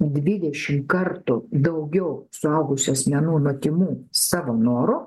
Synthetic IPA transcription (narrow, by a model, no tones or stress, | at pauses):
d̪ʲʋʲɪd̪ʲɛʃʲɪmkɐrt̪ʊd̪ɐʊɡʲɛʊsʊɐʊɡʊsʲʊɐsʲmʲɛnuːnot̪ʲɪmuːsɑːʋoːnoːɾʊ